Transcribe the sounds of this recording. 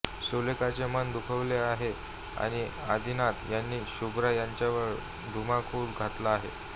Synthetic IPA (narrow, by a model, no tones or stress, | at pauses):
ɕolekat͡semənd̪ukʰəʋleaɦe | a̰ɽ̃i | ad̪ʱinat̪janːiːɕubɾajaɲt͡ɕjaʋəɭ | d̪ʱumakʰuːlɡʱat̪laːɦḛ